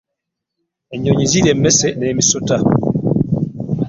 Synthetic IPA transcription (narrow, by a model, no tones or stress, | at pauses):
ɛɲɔɲiziɾɛmɛsɛnɛmisota